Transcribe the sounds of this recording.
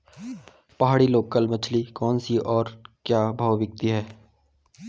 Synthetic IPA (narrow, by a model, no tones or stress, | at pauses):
pɐɦaːɽiloːkːəlmɐt͡ʃʰlikɔːnsiʔɔːɾkjaːbʱaːʋʋɪk̚t̪iɦɛː